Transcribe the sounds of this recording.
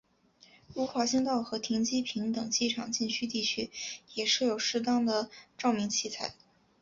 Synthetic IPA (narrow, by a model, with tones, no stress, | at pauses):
u˥˩xwa˧˥ɕi˥ŋt̪ɑ˥˩ʊxɤ˧˥t̪ʰi˧˥ŋt͡ɕi˥pʰi˧˥ŋt̪ɤ˨˩ŋt͡ɕi˥˩ʈ͡ʂʰɑ̰˨˩ŋt͡ɕi˥˧nt͡ɕʰy˥t̪i˥˩t͡ɕʰy˥jɛ˨˩ʂɻ̩˥˩jo˨˩ʊʂɻ̩˥t̪ɑ˥ŋd̪ə˨ʈ͡ʂɑ˥˩ʊmi˧˥ŋt͡ɕʰi˥˧t͡sʰa˥˩ɪ